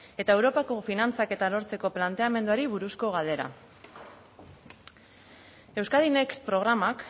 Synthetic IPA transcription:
e̞t̪ae̞wɾo̞pako̞finant͡sake̞t̪alo̞ɾt͡se̞ko̞plant̪e̞ame̞nd̪uaɾiβuɾusko̞ɣ̞ald̪e̞ɾa̰ | e̞wskaðinekspɾo̞ɣ̞ɾamak

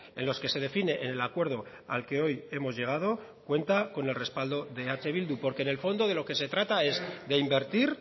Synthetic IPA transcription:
e̞̰nlo̞ske̞se̞ð̞e̞fine̞ʔene̞lakwe̞ɾð̞o̞ | a̰lke̞o̞je̞mo̞zʝe̞ɣ̞að̞o̞ | kwe̞nt̪ako̞ne̞lre̞spald̪o̞ðe̞at͡ʃe̞β̞ild̪upo̞ɾke̞ne̞lfo̞nd̪o̞ðe̞lo̞ke̞se̞t̪ɾat̪ae̞zðe̞imbe̞ɾt̪iɾ

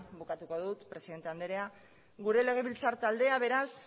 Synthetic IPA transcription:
bukat̪uko̞ðut̪pɾe̞siðe̞nt̪e̞and̪eɾea | ɣuɾe̞le̞ɣ̞e̞βilt͡saɾt̪ald̪e̞aβ̞e̞ɾas

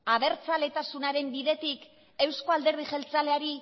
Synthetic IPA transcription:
aβe̞ɾt͡sale̞t̪asunaɾe̞mbiðe̞t̪ik | e̞wsko̞ald̪e̞ɾð̞iʝe̞lt͡saleaɾi

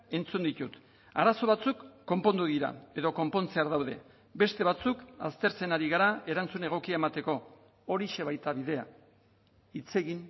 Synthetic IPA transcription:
e̞nt͡sund̪it̪ut̪ | aɾaso̞βat͡sukːo̞mpo̞nd̪uðiɾa̰e̞ðo̞ko̞mpo̞nt͡se̞aɾðawðe̞ | be̞st̪e̞βat͡suka̰st̪e̞ɾt͡se̞naɾiɣ̞aɾae̞ɾant͡sune̞ɣ̞o̞kiaemat̪e̞ko̞ː | ɾiʃe̞βajt̪aβiðe̞a̰ | it͡se̞ɣin

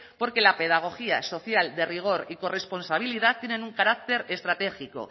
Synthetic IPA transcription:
po̞ɾke̞lape̞ð̞aɣ̞o̞xia̰so̞θjald̪e̞riɣ̞o̞ɾiko̞re̞spo̞nsaβ̞iliðatt̪ːje̞nẽ̞nuŋkaɾak̚t̪e̞ɾe̞st̪ɾat̪e̞xiko̞̰

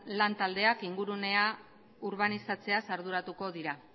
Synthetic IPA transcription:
lant̪ald̪e̞akiŋɡuɾune̞a | uɾβanisat͡se̞asaɾðuɾat̪uko̞ðiɾa

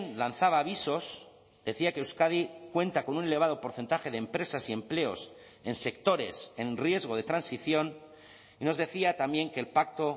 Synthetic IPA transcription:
nlan̟θaβ̞aːβ̞iso̞s | d̪e̞θiakeewskað̞ikwe̞nt̪ako̞nune̞le̞β̞að̞o̞po̞ɾθe̞nt̪axe̞ð̞empɾe̞sasie̞mple̞o̞̰s | e̞nse̞kt̪o̞ɾe̞̰se̞nrje̞zɣ̞o̞ðe̞t̪ɾansiθjo̞n | ino̞zðe̞θiat̪ambje̞ŋke̞ːlpak̚t̪o̞

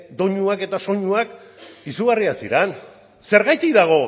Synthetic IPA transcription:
d̪o̞ɲuake̞t̪aso̞ɲuak | isuɣariasḭɾen | se̞ɾɣajt̪iðaɣ̞o̞

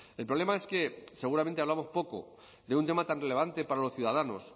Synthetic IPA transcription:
e̞lpɾole̞mae̞ske̞se̞ɣuɾamnt̪eaβlamo̞spo̞ko̞̰ | d̪e̞unt̪e̞mat̪anre̞le̞βant̪e̞paɾalosθjuðaðano̞̰s

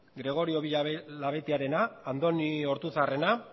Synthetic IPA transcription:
ɡɾe̞ɣ̞o̞ɾio̞βilaβe̞t̪eaɾe̞naːnd̪o̞nio̞ɾt̪usare̞na

